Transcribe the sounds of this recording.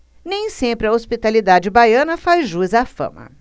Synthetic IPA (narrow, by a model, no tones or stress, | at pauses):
nẽj̃sẽmpɾɪɐospit̪alid̪ad͡ʒɪbajɐ̃nɐfazʒuzafɐ̰̃mɐ̰